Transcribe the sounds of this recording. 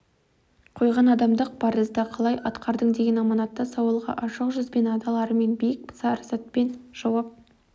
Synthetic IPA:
qʰo̞jʁɑnɑd̪ɑmd̪əq̚b̥ɑɾəzd̪ɑqʰɑlˠɑjʔɑt̪qɑɾd̪əɴd̪e̞ɡʲenɑmɑnɑt̪ːɑsɑwəlˠʁɑ̰ʔɑʃəqʒʏzbe̞nɑd̪ɑlˠɑɾəme̞nbejɪk̚pʰsɑɾsɑt̪̚pe̞nʒ̥ɑwɑp̚

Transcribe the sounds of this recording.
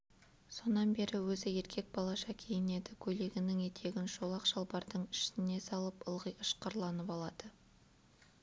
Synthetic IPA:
so̞nɑnbe̞ɾɪwɵzɪje̞ɾkʲʰe̞k̚bɑlˠɑʃɑkʲʰe̞jɪne̞d̪ɪkʲʰɵle̞ɡʲɪnɪŋet̪ʰe̞ɡʲɪnʃo̞lˠɑqʒɑlˠbɑɾd̪əɴɪʃɪne̞sɑlˠəpəlˠʁəjəʃqɑɾlˠɑnəpɑlˠɑd̪̥ə

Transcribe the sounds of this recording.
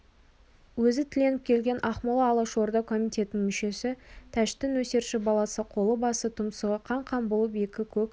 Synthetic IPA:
wɵzɪt̪ʰɪle̞nɪp̚kʲʰe̞lɡʲe̞nʔɑχmɑlˠɑːlˠɑʃo̞ɾd̪ɑkʰo̞mijt̪ʲʰe̞t̪ɪnɪŋmʏʃe̞sɪt̪ʰæʃt̪ɪnwɵse̞ɾʃɪbɑlˠɑsəqʰo̞lˠəbɑsət̪ʰʊmsəʁəqʰɑɴqʰɑmbolˠəp̬e̞kʲɪkʲʰɵkʲ

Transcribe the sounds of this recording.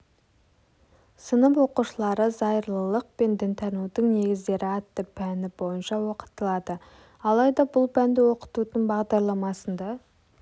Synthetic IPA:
sənəpwo̞quʃəlˠɑɾəzɑjəɾlˠəlˠəq̚pe̞nd̪ɪnt̪ʰɑnud̪əɴne̞ɡʲɪzd̪e̞ɾʔɪɑt̪ːəpʰænɪbo̞jənʃɑwo̞qə̥t̪əlˠɑd̪ə | ɑlˠɑjd̪ɑbʊlˠpʰænd̪ɪwo̞qə̥t̪ud̪əɴbɑʁd̪ɑɾlˠɑmɑsənd̪ɑ

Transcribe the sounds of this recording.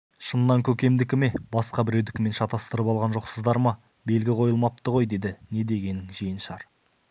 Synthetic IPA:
ʃənːɑŋkʲʰɵkʲe̞md̪ɪkʲɪme̞bɑsqɑbɪɾe̞wd̪ɪkʲɪme̞nʃɑt̪ɑst̪əɾəpɑlˠʁɑnʒo̞qsəzd̪ɑɾmɑ | be̞lɡʲɪqʰo̞jəlˠmɑp̚t̪əʁo̞jd̪e̞d̪ɪne̞d̪e̞ɡʲe̞nɪŋʒijənʃɑɾ

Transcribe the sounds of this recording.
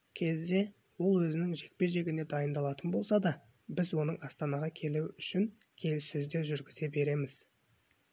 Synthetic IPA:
kʲʰe̞zd̪e̞ | wo̞lˠwɵzɪnɪŋʒe̞k̚pe̞ʒe̞ɡʲɪne̞d̪ɑjənd̪ɑlˠɑt̪ənbo̞lˠsɑd̪ɑ | bɪzwo̞nəɴɑst̪ɑnɑʁɑkʲʰe̞luɪʔʏʃɪŋkʲʰe̞lɪsʏzd̪e̞ʒʏɾɡʲɪze̞be̞ɾe̞mɪz̥

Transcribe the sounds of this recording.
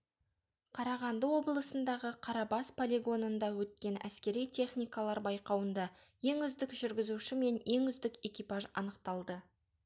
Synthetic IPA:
qʰɑɾɑʁɑnd̪əwo̞blˠəsənd̪ɑʁəqʰɑɾɑbɑspʰolʲeɡo̞nənd̪ɑwɵt̪̚kʲe̞næ̰skʲe̞ɾijt̪ʰe̞χnʲijkalˠɑɾbɑjqɑwənd̪ɑ | je̞ŋʏzd̪ɪkʒʏɾɡʲɪzuʃɪme̞nje̞ŋʏzd̪ɪke̞kʲipɑʒɑ̰nəqt̪ɑlˠd̪ə

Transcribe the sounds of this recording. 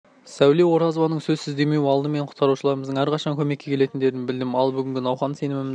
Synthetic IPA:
sæwle̞wo̞ɾɑzovɑnəɴsɵzsɪzd̪e̞me̞wɑlˠd̪əme̞ɴqʰʊ̥t̪qɑɾuʃəlˠɑɾəməzd̪əŋæɾqʰɑʃɑŋkʲʰɵmekʲːe̞kʲʰe̞le̞t̪ɪnd̪e̞ɾɪnbɪld̪ɪmɑlˠbʏɡʲɪŋɡʲɪnɑwχɑnse̞nɪmɪmɪ

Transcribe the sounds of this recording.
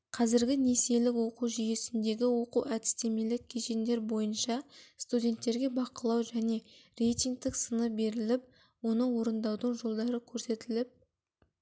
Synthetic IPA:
qʰɑzɪɾɡʲɪne̞se̞lɪkwo̞quwʒije̞sɪnd̪e̞ɡʲɪwo̞quwʔæd̪ɪ̥st̪e̞me̞lɪk̚ʲʰːeʃe̞nd̪e̞ɾbo̞jənʃɑst̪udʲe̞nt̪ːe̞ɾɡʲe̞bɑqəlˠɑwʒæne̞re̞jt̪iŋɡ̚t̪ɪksənəbe̞ɾɪlɪp̚ | wo̞nəwo̞ɾənd̪ɑwd̪əɴʒo̞lˠd̪ɑɾəkʲʰɵɾse̞t̪ɪlɪp̚

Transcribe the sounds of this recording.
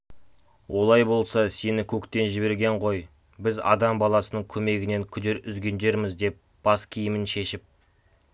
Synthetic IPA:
wʔo̞lˠɑjbo̞lˠsɑse̞nɪkʲʰɵkt̪e̞nʒɪbe̞ɾɡʲe̞ɴqʰo̞j | bɪzɑ̰d̪ɑmbɑlˠɑsənəɴkʲʰɵme̞ɡʲɪne̞ŋkʲʰʏd̪eɾʏzɡʲe̞nd̪e̞ɾmɪzd̪e̞p̚ | b̥ɑskʲʰijɪmɪnʃe̞ʃɪp̚

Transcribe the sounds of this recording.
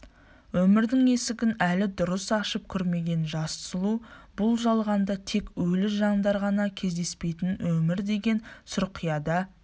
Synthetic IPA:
wɵmɪɾd̪ɪŋe̞sɪɡʲɪnælɪd̪ʊɾəsɑʃəp̚kʲʰʏɾme̞ɡʲe̞nʒɑssəlˠubʊlˠʒɑlˠʁɑnd̪ɑt̪ʰe̞kwɵlɪʒɑɴd̪ɑɾʁɑnɑkʲʰe̞zd̪e̞spe̞jt̪ɪnwʔɵmɪɾd̪e̞ɡʲe̞nsʊɾqʰijɑd̪ɑ

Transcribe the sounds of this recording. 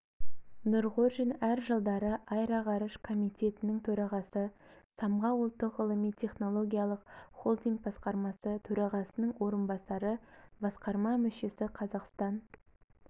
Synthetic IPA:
nʊɾʁoʒinæɾʒəlˠd̪ɑɾəʔɑjɾɑʁɑɾəʃkʰo̞mijt̪ʲʰe̞t̪ɪnɪŋt̪ʰɵɾɑʁɑsəsɑmʁɑwəlˠt̪ːəqəlˠəmijt̪ʲʰe̞χno̞lˠo̞ɡʲijɑlˠəqχolˠd̪ijŋk̚bɑsqɑɾmɑsət̪ʰɵɾɑʁɑsənəɴwo̞ɾənbɑsɑɾəbɑsqɑɾmɑmɵʃe̞sɪqʰɑzɑqst̪ɑn

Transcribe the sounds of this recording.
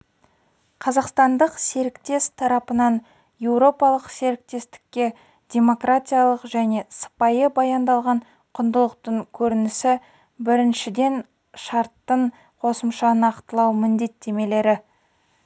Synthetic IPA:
qʰɑzɑqst̪ɑnd̪əqse̞ɾɪkt̪e̞st̪ʰɑɾɑpənɑn | je̞wɾo̞pɑlˠəqse̞ɾɪk̚t̪e̞st̪ɪ̥kʲːe̞ | d̪ʲe̞mo̞kratʲijalˠəqʒæne̞sə̥pɑjəbɑjɑnd̪ɑlˠʁɑɴ | qʰʊnd̪əlˠəq̚t̪əɴkʲʰɵɾɪnɪsɪ | bɪɾɪnʃɪd̪e̞n | ʃɑɾt̪ːəɴ | qʰo̞səmʃɑnɑqt̪əlˠɑwmɪnd̪e̞t̪ʰːe̞me̞le̞ɾɪ

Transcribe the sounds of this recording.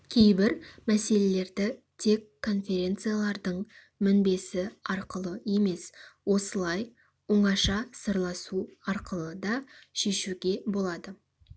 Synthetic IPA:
kʲʰe̞jbɪɾmæse̞le̞le̞ɾd̪ɪ | t̪ʰe̞kʰːo̞nfʲe̞ɾʲe̞nt̪sɨjalˠɑɾd̪əɴ | mʏnbe̞sɪɑɾqəlˠəje̞me̞swo̞səlˠɑj | woɴɑʃɑsəɾlˠɑsuɑɾqəlˠəd̪ɑʃe̞ʃuɡʲe̞bo̞lˠɑd̪ə

